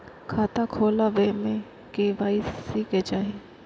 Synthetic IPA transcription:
kʰaːt̪akʰoːlaʋemẽ | keʋaːɪsiket͡ʃaːɦi

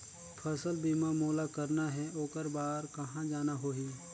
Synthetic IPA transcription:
pʰəsəlbiːmamoːlakəɾnaɦɛoːkəɾbaːɾkɐɦãd͡ʒaːnaɦoːɦiː

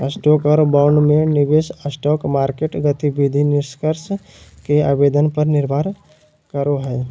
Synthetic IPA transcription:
əsʈɔːkɔːɾbaʊɳɖmẽnɪbeːsəsʈɔːkmaːɾkeʈɡət̪ibid̪ʱinɪɾskəɾs | kea̰ːbeːd̪ənpəɾnɪɾbʱaːɾ | kəɾoɦɛː

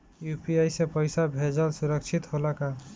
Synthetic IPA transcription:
jupiajsepəjsabʱed͡ʒəlsuɾəkt͡ʃʰit̪ɦolaka

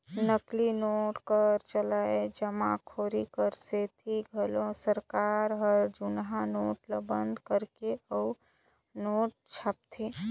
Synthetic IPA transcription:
nəklinoːʈkəɾt͡ʃəlaːed͡ʒəmãkʰoːɾikəɾset̪ʰiɡʱəlõsəɾkaːɾɦəɾd͡ʒʊnɦanoːʈləbə̃nd̪ʱkəɾkeəu | noːʈ̚t͡ʃʰaːp̚t̪ʰe

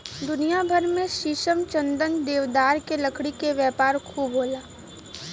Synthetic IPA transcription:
d̪ʊnijabʱəɾmẽʃiːʃəmt͡ʃə̃nd̪ənd̪eːʋd̪aːɾkelɐkʰɽikeʋjɛːpaːɾkʰuːbɦoːlaː

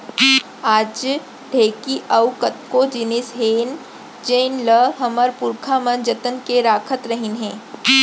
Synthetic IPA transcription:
aːd͡ʒ | ɖ̪ʱeːkiʔɐwkət̪̚kod͡ʒɪnɪsɦeːn | d͡ʒeːnləɦɐməɾpʊɾkʰamənd͡ʒət̪ənkeɾaːkʰət̪ɾɐɦɪnɦɛ̃ː

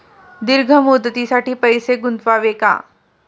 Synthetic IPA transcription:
d̪ɪɾɡʱəmʊd̪ət̪isaːʈipɐjseɡʊnt̪ʋaʋeːka̰ː

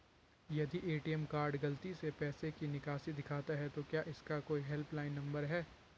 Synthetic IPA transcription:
jɐd̪iʔeːʈiɛmkaːɾɖɡɐlt̪isepɛːsekinɪkaːsid̪ɪkʰaːt̪aɦɛt̪okjaːʔɪskakoːiɦɛlplaːɪnːɐ̃mbəɾɦɛː

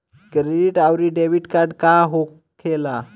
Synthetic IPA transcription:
kɾeɖiʈawɾiːɖeʋiʈkaɾɖkaɦok | kʰːela

